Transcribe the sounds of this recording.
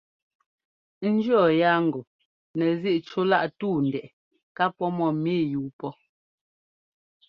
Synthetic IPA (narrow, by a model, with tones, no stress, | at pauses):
n̩˦d͡ʒɰɔ˦˨ja˦ŋ˨ɡɔ˨ | nɛ˨zi˦ʔt͡ʃo˦la˦ʔtuː˦˨n˨dɛ˨ʔ | ka˦pɔ˦mɔ˦˨miː˦˨juː˨˦pɔ˦